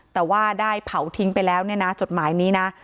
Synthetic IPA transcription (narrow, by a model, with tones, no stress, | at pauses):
t̪ɛː˨˩waː˥˩daː˥˩jpʰa˩˦wt̪ʰi˦˥ŋpa˧jlɛː˦˥wni˥˩ɐna˦˥t͡ɕo˨˩t̪̚maː˩˦jniː˦˥na˦˥